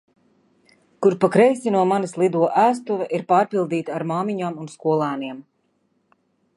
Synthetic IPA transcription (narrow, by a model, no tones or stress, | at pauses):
kuɾpakɾɛjsʲinuɔmanislˠid̪uɔʔæːs̬t̪uvɛʔiɾpaːɾpilˠd̪iːt̪aaɾmaːmiɲaːmunskuɔlˠaːniɛm